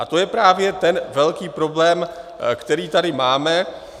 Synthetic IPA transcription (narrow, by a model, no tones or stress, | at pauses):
ʔat̪o̞jɛpɾaːvjɛt̪ɛnvɛlkiːpɾo̞blɛːmkt̪ɛɾiːt̪adɪmaːmɛ